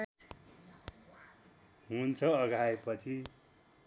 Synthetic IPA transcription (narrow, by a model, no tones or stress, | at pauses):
ɦunt͡sʰʌʌɡʱaepʌt͡sʰi